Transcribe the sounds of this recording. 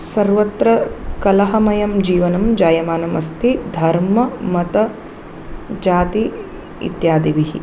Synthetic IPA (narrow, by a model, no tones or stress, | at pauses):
sɐɾʋɐt̪ɾɐkɐlɐɦɐmɐjɐmd͡ʒiːʋɐnɐmd͡ʒaːjɐmaːnɐmɐst̪ʰid̪ʱɐɾmɐmɐt̪ɐ | d͡ʒaːt̪i | ḭt̪jaːd̪iʋiɦḭ